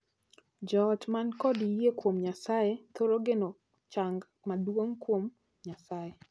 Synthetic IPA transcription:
d͡ʒɔd͡ʒmankɔdijekwomɲasajet̪oɾoɡeno | t͡ʃaŋɡ | madwoŋkwom | ɲasaje

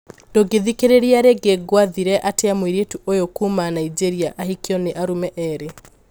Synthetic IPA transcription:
d̥oɡeðikeɾeɾiaɾeɡeɡwaðiɾɛʔateamweiɾetuʔojokumanaid͡ʒeɾiaʔahikjɔneʔaɾumɛʔɛɾe

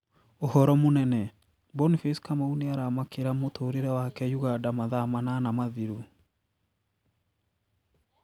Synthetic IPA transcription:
ohɔɾɔmonɛnɛ | bɔnifiskamauneaɾamakeɾamotoːɾeɾɛwakɛjuɣadamaðamananamaðiɾu

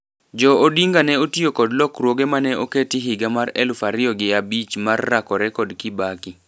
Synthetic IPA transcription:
d͡ʒɔodiŋɡanɛotiokɔdlɔkrwoɡemanɛʔoketɪɦɪɡamaɾɛlufaɾɪɔɡɪjabit͡ʃmarːakɔɾɛkɔdkɪbaki

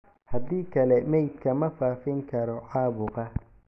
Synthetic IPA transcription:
hɐd̪iːkʰɐlɛmɛjd̪kʰɐmɐfaːfɪŋkʰɐɾɔʕɑːβʊɣɐ

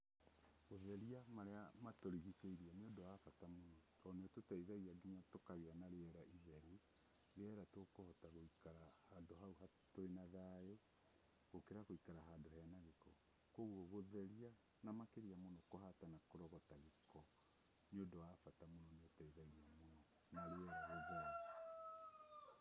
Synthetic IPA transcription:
βoðɛɾiamaɾeamatoɾiɣiseiɾiɛneodɔwafatamonɔtɔneototaiðaiaɡiɲatokaɣeanaɾeɛɾaʔiɦɛɾi | ɾeɛɾatokohɔtaɣoikaɾahaːndoɦauɦa | toenaðae | ɣ̥okeɾaɣoikaɾaɦaːndohɛanaɣekɔ | koɣwɔβoðɛɾia | namakeɾiamonɔkoɦatanakoɾɔɣɔtaɣekʰɔ | neodɔwafatamonɔneotaiðaiamonɔ | naɾeɛɾaɣoɣa

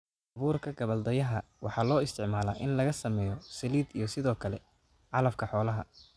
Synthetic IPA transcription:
ʔɐβuːrkʰɐɡɐβɐld̪ɐjɐɦɐwɑħɑːlɔːɪst̪ʰɪʕmaːlɐːʔɪnlɐɣɐsɐmɛːjɔsɐliːd̪ijɞsɪðɔːkʰɐlɛ | ʕɑlɐfkʰɐħɔːlɐɦɐ

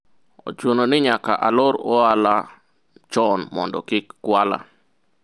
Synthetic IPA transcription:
o̰t͡ʃunonɪɲakaʔaloɾɔala | t͡ʃɔnmɔ̰ndɔ̰kɪkkwala̰

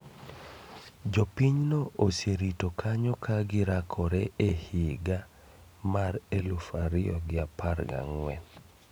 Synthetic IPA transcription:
d͡ʒopiɲnooseɾitokʰaɲɔkʰaɡɪɾakʰɔɾɛehiɡa | maɾelufaɾɪɔ̰ɡɪapaɾɡa̰ŋwɛ̰

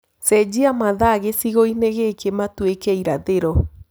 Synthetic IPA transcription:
sɛd͡ʑiamaðaɣesiɣoineɣekematwekɛiɾaðeɾɔ

